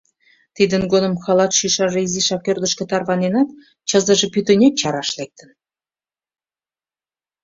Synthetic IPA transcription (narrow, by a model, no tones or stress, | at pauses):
t̪id̪ə̆nɡonə̆mxɑlˠɑt̪ʃiʃɑʒiziʃɑkʲørd̪ə̆ʃkʲĕt̪ɑrβɑnenɑt̪̚ | t͡ɕəzə̆ʒĕpyt̪ɘ̆nʲet̪t͡ɕɑɾɑʃlek̚t̪ə̆n